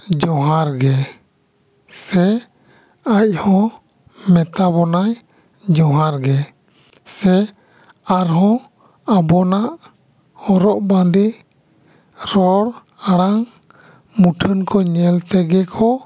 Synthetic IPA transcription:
d͡ʒɔ̃ɦaɾɡɛ | sɛ | ac̚ˀhɔ̃ | mɛt̪abɔnaj | d͡ʒɔɦaɾɡɛ | sɛ | aɾɦɔ̃ | abɔnaʔ | hɔɾɔʔbãd̪i | ɾɔɽ | aɽaŋ | muʈʰənkʰɔɲɛlt̪ɛɡɛkʰɔ

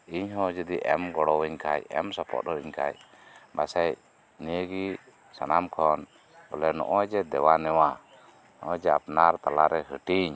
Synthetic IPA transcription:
iɲɦɔ̃d͡ʒəd̪iʔɛmɡɔɽɔwɛɲkʰajɛ̰msɔpʰɔ̰t̪̚ɾɔiɲkʰa̰j | basɛj | nɛɡi | sanamkʰɔn | bɔlɛnɔ̰ʔɔjd͡ʒɛd̪ɛwanɛwa | nɔʔɔd͡ʒɛapnaɾt̪ala̰ɾɛɦəʈiɲ

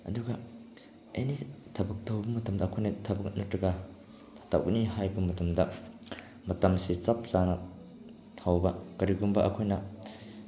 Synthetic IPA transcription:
ɐ̰duɡɐ | ɐ̰jnitʰɐbɐk̚dɐwbɐmɐtɐmdɐɐkʰojnɐtʰɐbɐknɐtɾɐɡɐ | tʰɐ̥tʰa̰wkniɦajbɐmɐtɐmdɐ | mɐtɐmsit͡ʃɐp̚zanɐ | tʰawbɐkɐɾiɡumbɐʔɐkʰojnɐ

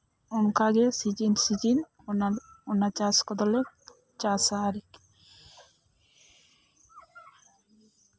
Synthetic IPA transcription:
ɔŋkaɡɛsid͡ʒinsid͡ʒin | naɔnːat͡ʃaskɔd̪ɔlɛ | t͡ʃasaːɾik

